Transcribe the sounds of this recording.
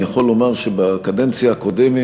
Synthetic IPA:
jaχolːo̞maʁʃebakad̪ent͡sjaːkod̪emi

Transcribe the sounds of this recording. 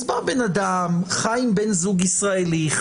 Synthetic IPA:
zbaʁbɛnad̪amχajimbɛnzuɡisʁaeli

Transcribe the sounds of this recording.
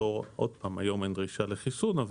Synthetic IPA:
oʁʔod̪̚paːmajo̞mendʁiʃaleχisunav

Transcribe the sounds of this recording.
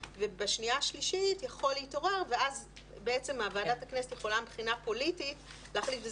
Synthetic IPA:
vebaʃniaʃliʃitjaχo̞leito̞ʁeʁve̞az | beet͡se̞maːvaːdataknesetjeχo̞lambχinapo̞litit | leaχlitve

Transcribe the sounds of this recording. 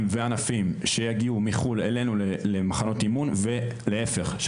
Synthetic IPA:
mveanafimʃe̞jaɡiumiχulele̞nulelemaχano̞timunve̞leefeχʃ

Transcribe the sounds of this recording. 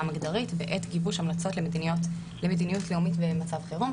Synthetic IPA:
amiɡd̪aʁitbeʔetɡibuʃamlat͡so̞tlemdiot | lemed̪inijutleumitbemat͡savχeʁum

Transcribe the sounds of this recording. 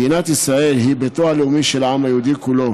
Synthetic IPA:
inat̪isʁaʔelɦibet̪oaleumiʃelʕamajud̪ikulo

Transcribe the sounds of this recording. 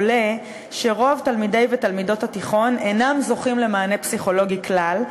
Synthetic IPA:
le̞ | ʃe̞ʁo̞avtalmide̞jvetalmido̞thatiχo̞nenamzo̞χimle̞maːne̞psiχo̞lo̞ɡiklal

